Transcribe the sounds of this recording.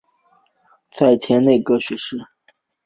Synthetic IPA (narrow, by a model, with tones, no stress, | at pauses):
t͡sʰa˥˩ɪt͡ɕʰjɛ˧˥nne˥˩ɪkɤ˧˥ɕɥɛ˧˥ʂɻ̩˥˩